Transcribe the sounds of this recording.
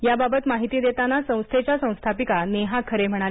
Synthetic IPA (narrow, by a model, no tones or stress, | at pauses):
jababət̪maɦit̪iːd̪et̪anasə̃w̃st̪ʰet͡ɕjasə̃w̃st̪ʰapikaneɦakʰəɾem̤əɽ̃al